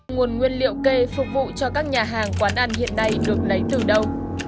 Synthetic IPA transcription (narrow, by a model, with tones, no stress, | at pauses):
ŋu˨˩ənŋwi˧ənlḭ˧˨əwke˧fʊ˨˩k͡p̚vṵ˧˨t͡ɕɔ˧kaː˦˥k̚ɲaː˨˩ɦaː˨˩ŋkwaː˨˦nʔa˧nhḭ˧˨ənːa˧jɗɨ˨˩ək̚lə˨˦jt̪ɨ˨˩ɗə˧w